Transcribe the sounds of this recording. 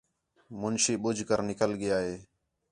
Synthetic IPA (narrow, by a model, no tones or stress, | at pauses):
mʊnʃiːɓʊd͡ʒʱkəɾnɪkəlɡɪjaːɦeː